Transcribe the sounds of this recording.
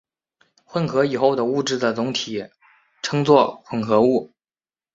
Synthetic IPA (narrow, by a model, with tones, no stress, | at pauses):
xwə˥˩nxʰɤ˧˥i˨˩xo˥˩ʊd̪ə˩u˥˧ʈ͡ʂɻ̩˥˩d̪ə˩t͡sʊ˧˥ŋt̪ʰi˨˩˦ | ʈ͡ʂʰɤ˥ŋt͡swɔ˥˧xwə˥˩nxʰɤ˧˥u˥˩